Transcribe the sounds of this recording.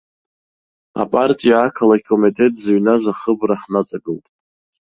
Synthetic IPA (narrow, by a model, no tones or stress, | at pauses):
a̰pʼartʼijaːkʰalaikʼomitʼe̞tʼzaɥnazaχəbraħnat͡sʼaɡɨltʼ